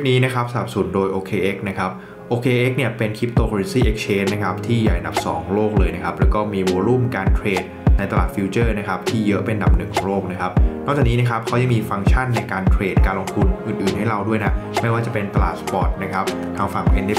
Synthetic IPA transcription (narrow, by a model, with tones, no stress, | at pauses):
p̚niː˦˥na˦˥kʰa˦˥p̚sa˧˨a˨˩p̚su˩˦ndoː˧jʔoː˧kʰeː˧ʔe˦˥k̚na˦˥kʰa˦˥p̚ | ʔoː˧kʰeː˧ʔe˦˥k̚ni˥˩ɐpe˧nkʰi˦˥p̚t̪oː˧kɾi˧nsiː˥˩ʔe˦˥k̚t͡ɕʰeː˧˥nːa˦˥kʰa˦˥p̚t̪ʰiː˥˩ja̰ː˨˩jʔda˨˩p̚sɔ̰ː˩˦ŋloː˥˩k̚lɤː˧jna˦˥kʰa˦˥p̚lɛː˦˥wkɔː˥˩miː˧woː˧ɾuː˥˩mkaː˧nk̪ʰɾeː˨˩t̪̚na˧jt̪a˧la̰ː˨˩t̪̚fi˧˥t͡ɕɤː˥˩na˦˥kʰa˦˥p̚t̪ʰiː˥˩jɤ˦˥ʔpe˧nda˨˩p̚nɯ˨˩ŋkʰɔː˩˦ŋloː˥˩k̚na˦˥kʰa˦˥p̚nɔ˥˩kt͡ɕaː˨˩kniː˦˥na˦˥kʰa˦˥p̚kʰa˦˥wja˧ŋmiː˧fa˧ŋt͡ɕʰa˥˩nːa˧jkaː˧nkʰɾeː˨˩t̪̚kaː˧nlo˧ŋt̪ʰu˧nʔɯː˨˩nʔɯː˨˩nha˥˩jɾa˧wdu˥˩əjna˦˥ma˥˩jwaː˥˩t͡ɕa˨˩pe˧nt̪a˧la̰ː˨˩t̪̚spɔː˨˩t̪̚na˦˥kʰa˦˥p̚ | t̪ʰaː˧ŋfa˨˩ŋʔe˧nʔe˥